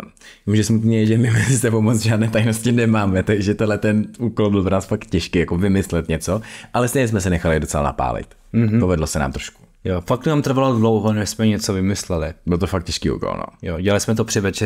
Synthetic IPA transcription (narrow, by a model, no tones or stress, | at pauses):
muʒɛsmut̪nijɛʒɛmɪvɛzd̪ɛbowmot͡sʒaːdnɛːt̪ajnoscɪnɛmaːmɛt̪aɡʒɛt̪ɛdlɛt̪ɛnuːkolbɪlpɾonaːsfakt̪cɛʃkiːjakovɪmɪslɛt̪ɲɛt͡soʔalɛst̪ejɲɛs̬mɛsɛnɛxalɪdot͡sɛla̰na̰pa̰ːlɪ̰t̪̩ | ɦpovɛdlosɛna̰ːmt̪ɾoʃku̥ | jofaknamt̪r̩valodlowɦonɛsmɛɲɛt͡sovɪmɪslɛlɪbɪlt̪ofak̚t̪̚cɛʃkiːʔṵːko̰lno̰joɟɛlalɪsmɛt̪̬opr̥ɪvɛt͡ʃɛ